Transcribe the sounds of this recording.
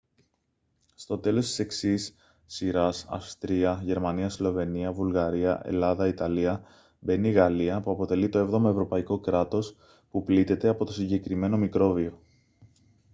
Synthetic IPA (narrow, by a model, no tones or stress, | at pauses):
st̪o̞t̪e̞lo̞st̪i̥se̞ksisː | iɾɐsɐ̰fst̪ɾiɐʝe̞ɾmɐniɐslo̞ve̞niɐvulɣɐɾiɐʔe̞̰lɐðɐit̪ɐliɐ | be̞niɣɐliɐpuɐpo̞t̪e̞lit̪o̞e̞vðo̞mɐe̞vɾo̞pɐiko̞kɾɐt̪o̞s | puplit̪e̞t̪e̞ɐpo̞t̪o̞siɲɟe̞kɾime̞no̞mikɾo̞vio̞